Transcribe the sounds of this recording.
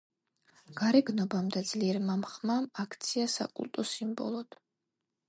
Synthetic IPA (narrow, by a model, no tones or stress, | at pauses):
ɡ̥aɾɛɡnɔbamd̪ad̪zliɛɾmamχmamakʰt̪sʰiasa̰kʼṵlˠt̪ʼɔsimbɔ̰lˠɔd̪̥